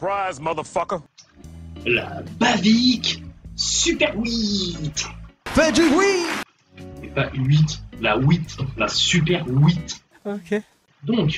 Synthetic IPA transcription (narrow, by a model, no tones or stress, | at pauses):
pʰɹ̥aɪzmʌðəfʌkə | la̰baviksypɛʁwit̪b̥ɛd͡ʒiwi | epaʔɥit̪lawit̪lasypɛʁwit̪ | oke | d̪ɔ̃k